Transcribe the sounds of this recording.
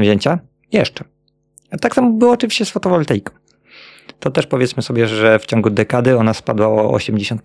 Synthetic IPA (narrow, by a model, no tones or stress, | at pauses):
vʑeɲt͡ɕa | jɛʂt͡ʂɛ | at̪aksamubɨwɔːt͡ʂɨvʲiɕt͡ɕɛsfɔt̪ɔvɔlt̪ɛjkɔ̥̃w | t̪ɔt̪ɛʂpɔvʲjɛt̪smɘsɔbʲjɛʐɛft͡ɕɔ̃ŋɡud̪ɛkad̪ɘɔnaspad̪waɔɔ̰ɕɛmd͡ʑeɕɔnt̪